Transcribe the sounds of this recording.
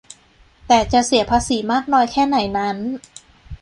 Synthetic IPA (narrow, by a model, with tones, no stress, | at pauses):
t̪ɛː˨˩t͡ɕa˨˩ʔsi˨˩˦pʰaː˧˥siː˩˦maː˥˩k̚nɔː˧jkʰɛː˥˩na˩˦jna˦˥n